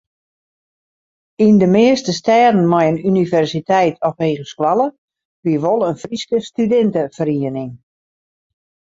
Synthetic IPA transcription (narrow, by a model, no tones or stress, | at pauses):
indəmɪəstəstɛːdən̩mɔjənynivɛrsitɛjtʰɔfʋeːɣəskwalˠə | ʋiəʋɔlˠənfriskəstydɛntəfəriənɪŋ